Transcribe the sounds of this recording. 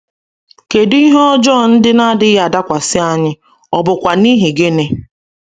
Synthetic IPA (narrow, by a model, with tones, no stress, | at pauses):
ke˨di˦ɦɔ˦d͡ʒɔ˦˨n̩˦dɪ˦na˦dɪ˦ja˨da˦kʷa˨sɪ˦a˦ɲɪ˦ | ɔ˨bʊ˨kʷa˨ni˦ɦi˨ɡe˦ne˦